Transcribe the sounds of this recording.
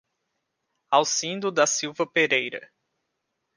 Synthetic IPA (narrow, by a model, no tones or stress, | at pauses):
awsĩnd̪ʊd̪ɐsiwvɐpeɾejɾɐ̰